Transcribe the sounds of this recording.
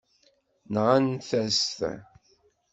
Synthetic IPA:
nʁanθæsθæ̰

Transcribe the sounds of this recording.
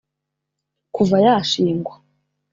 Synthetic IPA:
kʰuvajaːʃiːŋɡwa

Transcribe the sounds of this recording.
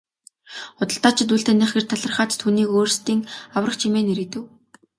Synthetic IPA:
χʊt̪ə̆ɬt̪aːt͡ɕʰɪ̆t̪uːɬt̪eːniːχɡĕrt̪ʰaɮə̆rχaːt̪t̪ʰuːniːkoːrst̪iːŋawrə̆χt͡ɕʰimeːneɾɘ̆t̪ɘ̆w

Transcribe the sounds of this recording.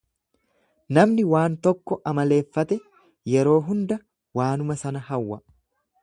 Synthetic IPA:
nɐmnɪwaːnt̪ɔkːɔʔɐmɐle̞ːfːɐt̪ɛ | jɛɾo̞ːɦʊnd̪ɐ | waːnʊmɐsɐnɐhɐwːɐ

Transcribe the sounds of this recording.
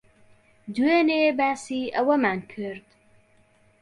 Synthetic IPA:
d̪ueːneːbaːsiːʔɐwɐmaːnkʰɨɾd̪

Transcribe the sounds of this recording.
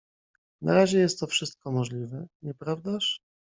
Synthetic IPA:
na̰ɾaʑɛjɛst̪ːɔfʂɘst̪̚kɔmɔʐlʲivɛɲɛpɾavd̪aʂ

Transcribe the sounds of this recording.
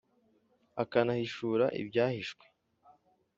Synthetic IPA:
akanahiʃuːɾaʔḭbɟaːhiʃkwe

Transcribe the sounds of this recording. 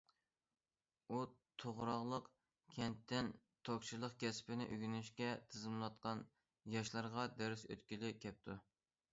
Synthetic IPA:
ut̪ʰoʁɾɑʁlˠəq | kʲʰɛnt̪ʰːɪn | t̪ʰok̚ʲt͡ʃʰilˠəqkʲʰɛspɪnɪ̰ʔyɡʲynyʃkʲɛt̪ʰɨzɨmlˠɑt̪̚qɑn | jɑʃlˠɑɾʁɑd̪æɾɪsø̰t̪kʲilɪkʲʰɛp̚t̪ʰu

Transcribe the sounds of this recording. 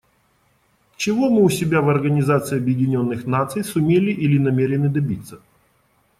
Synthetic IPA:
t͡ɕɪvomɨʊsʲɪbʲavɐrɡənʲɪzat̪sɨɪɐbjɪdʲɪnʲo̞nːɨxnat̪sɨjsʊmʲelʲɪʔilʲɪnɐmʲeɾʲɪnɨd̪ɐbʲit̪sːə̥

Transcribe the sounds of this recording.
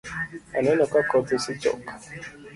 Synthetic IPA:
a̰nenɔkakɔtosit͡ʃɔ̰k

